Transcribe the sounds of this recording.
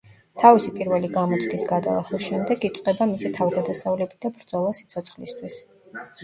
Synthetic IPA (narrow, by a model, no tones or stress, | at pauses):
t̪ʰavisipʼiɾvɛliɡamɔt̪sʰt̪ʰisɡad̪a̰lˠa̰χlˠisʃɛmd̪ɛɡit̪sʼqʼɛbamisit̪ʰavɡad̪asavulɛbid̪̥abɾd̪zɔlˠasit̪sʰɔt̪sχlist̪ʰwis